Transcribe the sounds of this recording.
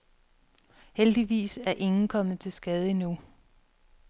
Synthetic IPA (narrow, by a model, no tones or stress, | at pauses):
held̥iʋḭːsæɐʔe̝ŋn̩kʰɒ̽mð̩ˠt͡sʰe̝lsɡ̥ɛð̞ˠəinu